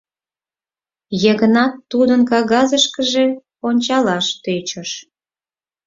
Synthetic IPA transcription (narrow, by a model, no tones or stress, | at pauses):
jəɣənɑt̪ːud̪ənkɑɣɑzəʃkəʒe̽ | onʲt͡ɕɑlɑʃt̪øt͡ɕəʃ